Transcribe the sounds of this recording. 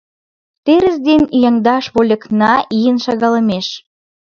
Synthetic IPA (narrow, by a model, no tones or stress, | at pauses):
t̪eɾə̆zd̪enijɑŋd̪ɑʃβolʲə̆knɑijənʃɑɣɑlə̆meʃ